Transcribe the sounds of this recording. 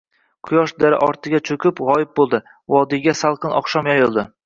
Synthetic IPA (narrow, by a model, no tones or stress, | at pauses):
qʰʊjɒʃd̪aɾɪ̰ʔɒɾt̪ʰɪɡʲat͡ʃʰokʲʰɪpʁɒjɪp̚bolˠd̪ɪ | vɒd̪ɪɡʲasalˠqʰɨnɒ̰χʃɒmjajɪlˠd̪ɪ